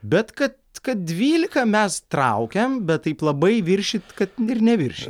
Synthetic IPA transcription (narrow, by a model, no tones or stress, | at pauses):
bʲɛt̪kɐt̪kɐt̪̚d̪ʲʋʲiːlʲɪkɐmʲɛst̪ɾɐ̰ʊkʲɛmbʲɛt̪t̪ːɐɪplˠɐbɐɪʋʲɪɾʲʃʲɪt̪kɐt̪ɪɾnʲɛʋʲɪɾʲʃʲɪt̪